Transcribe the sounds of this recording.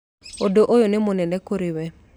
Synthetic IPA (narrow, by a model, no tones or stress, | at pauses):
odoʔojonemonɛnɛkoɾɪwɛ